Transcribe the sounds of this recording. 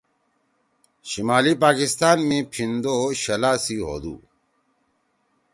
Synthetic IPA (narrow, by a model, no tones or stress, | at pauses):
ɕimaːlipaːkist̪aːnmẽpʰind̪oːɕɐlaːsiːɦo̰ːd̪ṵː